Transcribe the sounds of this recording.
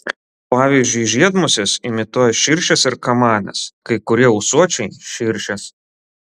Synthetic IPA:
pɑːʋʲiːzʲd͡ʒʲʊɪʒʲiɛd̪mʊsʲɪsɪmʲɪt̪uɔjɛʃʲɪɾʲʃʲɛsɪɾkɐmɑːnʲɛ̰skɐɪkʊɾʲiɛɔʊsuɔt͡ʃʲɛɪʃʲɪɾʲʃʲɛs

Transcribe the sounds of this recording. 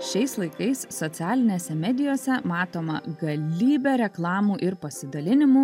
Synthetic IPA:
ʃʲɛɪslˠɐɪkɐɪsːɔt̪sʲæːlʲɪnʲeːsʲɛmʲɛd̪ʲɪjoːsʲɛmɑːt̪oːmɐ̰ɡɐlʲiːbʲɛːɾʲɛklˠɑːmuːʔɪɾpɐsʲɪd̪ɐlʲɪnʲɪmuː

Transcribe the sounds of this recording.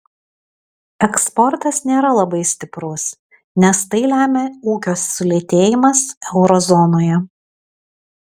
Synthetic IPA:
ɛkspɔɾt̪ɐsnʲeːɾɐlˠɐbɐɪsʲt̪ʲɪpɾʊs | nʲɛst̪ɐɪlʲæːmʲeːuːkʲoːsːʊlʲeːt̪ʲeːjɪmɐsɛʊɾɔzɔnoːjɛ

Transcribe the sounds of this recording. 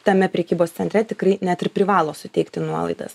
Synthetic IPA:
t̪ɐmʲɛpʲɾʲɛːkʲiːboːst̪sʲɛnʲt̪ɾʲɛt̪ʲɪkɾɐɪnʲæt̪ɪɾpʲɾʲɪʋɑːlˠoːsʊt̪ʲɛɪkt̪ʲɪnuɔlˠɐ̰ɪd̪ɐ̰s

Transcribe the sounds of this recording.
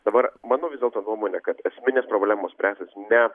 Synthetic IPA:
d̪̥ɐbɐɾmɑːnoːʋʲɪzd̪ʲelˠt̪oːnuɔmoːnʲɛkɐt̪ɛsʲmʲɪnʲeːspɾoːbʲlʲæːmoːssʲpʲɾʲæːsʲt̪ʲɪsnʲɛ

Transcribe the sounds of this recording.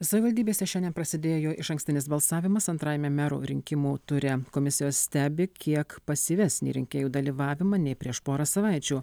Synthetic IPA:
sɐʋʲɪʋɐlʲd̪ʲiːbʲeːsʲɛʃʲɛnd̪ʲɛnpɾɐsʲɪd̪ʲeːjoːʔɪʃɐ̃ŋksʲt̪ʲɪnʲɪsbɐlˠsɑːʋʲɪmɐsɐnt̪ɾɑːjɛmʲɛmʲæɾṵːɾʲɪŋʲkʲɪmuːt̪ʊɾʲɛkoːmʲɪsʲɪjoːssʲt̪ʲæːbʲɪkʲiɛkpɐsʲɪʋʲɛsʲnʲḭːɾʲɪ̰ŋʲkʲeːjuːd̪ɐlʲiːʋɑːʋʲɪmɐnʲɛɪpʲɾʲiɛʃpoːɾɐsɐʋɐɪt͡ʃʲuː

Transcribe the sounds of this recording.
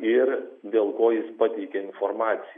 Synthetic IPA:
ɪɾd̪ʲeːlˠkoːjɪspɑːt̪ʲɛɪkʲɛɪnfoɾmɑːt̪sʲɪ

